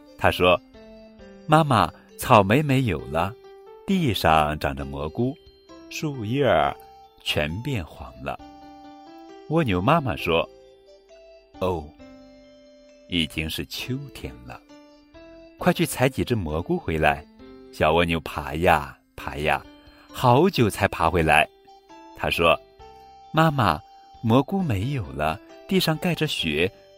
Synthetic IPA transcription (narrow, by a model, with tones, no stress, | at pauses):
t̪ʰa˥ʂwɔ˥ | ma˥ma˨ | t͡sʰɑ˨˩ʊme˧˥ɪme˧˥ɪjo˨˩ʊlə˦t̪i˥˧ʂɑ˥˧ŋʈ͡ʂɑ̰˨˩ŋʈ͡ʂə˧mwɔ˧˥ku˥ | ʂu˥˧i˥ə̰˞˨˩ | t͡ɕʰɥɛ˧˥npjɛ˥˩nxwɑ̰˧˥ŋlə̰˧ | wɔ˥˩njo˧˩ʊma˥ma˨ʂwɔ˥ | o˥˩ʊ | i˨˩t͡ɕi˥ŋʂɻ̩˥˩t͡ɕʰjo˥ʊt̪ʰjɛ̰˧˥nlə̰˨ | kʰwa˥˧ɪt͡ɕʰy˥˩t͡sʰa˧˥ɪt͡ɕi˨˩ʈ͡ʂə˥˩mwɔ˧˥ku˥xwe˧˥ɪla˧˥ɪɕjɑ˨˩ʊwɔ˥˩njo˧˥ʊpʰa̰˧˥ja̰˥˩ | pʰa˧˥ja̰˥˩ | xɑ˨˧˥ʊt͡ɕjo˨˩ʊt͡sʰa˧˥ɪpʰa˧˥xwe˧˥ɪla˧˥ɪ | t̪ʰa̰˥ʂwɔ˥ | ma˥ma̰˨˩ | mwɔ˧˥ku˥me˧˥ɪjo˨˩ʊlə̰˦t̪i˥˧ʂɑ˥˧ŋka˥˩ɪʈ͡ʂə˨ɕɥɛ˧˥